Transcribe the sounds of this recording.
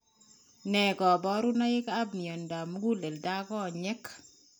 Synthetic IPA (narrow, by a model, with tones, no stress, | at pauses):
nɛ˨ɡɔ˨bɔ˨˦ɾu˦na˦ɪ˦ka˦bni˨ɔ˨nda˨m˦ɡu˦le˨lda˦ɡɔ˦˨ɲɛ˦k